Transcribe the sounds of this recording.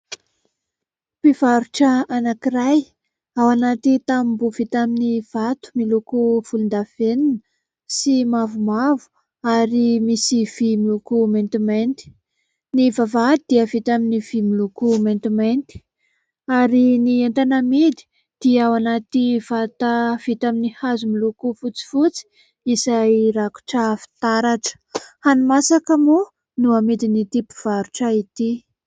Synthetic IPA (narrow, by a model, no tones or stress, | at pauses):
piv̥aɾuʈ͡ʂəanakiraj | awanat̪it̪ambuv̥it̪aminiv̥at̪u̥milukuv̥ulund̪aveninə | simavumavu̥ | aɾimisiv̥imilukument̪iment̪i̥ | nivavad̪̥iəvit̪aminiv̥imilukument̪iment̪i̥ | aɾiniant̪anamid̪i̥ | d̪̥iawanat̪iv̥at̪av̥it̪aminihazumilukufut͡si̥fut͡si̥ | izajɾaku̥ʈ͡ʂəfi̥t̪aɾaʈ͡ʂə̥hanimasakəmu | nuamid̪init̪ipu̥v̥aɾuʈ͡ʂait̪i